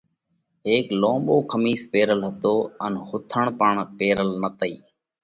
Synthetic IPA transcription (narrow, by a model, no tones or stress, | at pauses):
ɦeːkloːmboːkʰəmiːspeːɾəlɦət̪oːənhʊt̪ʰəɳpəɳpeːɾəlnət̪əiː